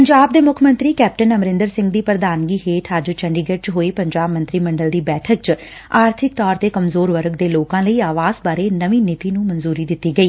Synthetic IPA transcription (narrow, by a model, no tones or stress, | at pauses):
pəɲd͡ʒaːb̚d̪eːmʊkʰmə̃nt̪ɾiːkɛːp̚ʈənəmɾɪ̃nd̪əɾsɪ̃ŋɡd̪iːpɾəd̪aːnɡiːɦeːʈʰad͡ʒt͡ʃəɳɖiːɡəʈ̚t͡ʃɦoːiːpəɲd͡ʒaːbmə̃nt̪ɾiːməɳɖəld̪iːbɛːʈʰək̚t͡ʃ | aːɾt̪ʰɪk̚t̪ɔːɾt̪eːkəmzoːɾʋəɾəɡd̪eːloːkãːləiːaːʋaːzbaːɾeːnəʋĩːnɪt̪iːnũːmənzuːɾiːd̪ɪt̪ːiːɡəiː